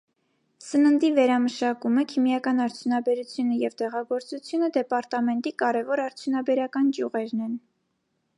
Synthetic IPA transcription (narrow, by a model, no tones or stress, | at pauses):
sənənd̪ivɛɾɑməʃɑkuməkʰimjɑkɑnɑɾt͡sʰjunɑbɛɾut͡sʰjunəjɛvt̪ɛʁɑɡɔɾt͡sut͡sʰjunəd̪ɛpɑɾt̪ɑmɛnt̪ikɑɾɛvɔɾɑɾt͡sʰjunɑbɛɾɑkɑnt͡ʃjuʁɛɾnɛn